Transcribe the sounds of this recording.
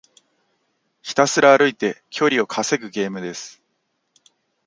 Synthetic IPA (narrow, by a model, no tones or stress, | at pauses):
çi̥t̪asɨɾaːɾɯ̟it̪e̞kʲʰo̞ɾʲio̞kʰase̞ɡɯ̟ɡe̞ːmɯ̟d̪e̞sɨ̥